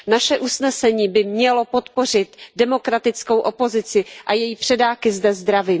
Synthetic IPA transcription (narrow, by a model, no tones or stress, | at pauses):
naʃɛʔusnɛsɛɲiːbɪmɲɛlo̞po̞t̪po̞r̝ɪt̪dɛmo̞kɾat̪ɪt͡sko̞wʔopo̞zɪt͡sɪʔajɛjiːpr̝̥ɛdaːkɪzdɛzd̪ɾaviː